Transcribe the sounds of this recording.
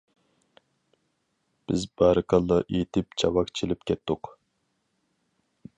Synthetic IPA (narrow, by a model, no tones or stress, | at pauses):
b̥ɪzbɑɾɨkɑlˠːɑʔet̪ʰɪpt͡ʃʰɑwɑkt͡ʃʰilɪp̚kʲʰɛt̪ːʊq